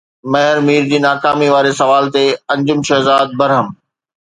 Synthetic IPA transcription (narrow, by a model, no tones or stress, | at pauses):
mɐɦɪɾmiːɾd͡ʑiːnaːkaːmiʋaːɾesɐʋaːlt̪eɐ̃ɲd͡ʑʊmʃɐɦzaːd̪̚bɐɾɦəm